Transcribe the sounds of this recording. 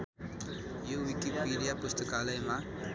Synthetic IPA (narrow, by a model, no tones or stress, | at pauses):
juʋikipiːɾijapʊst̪əkaːləjmã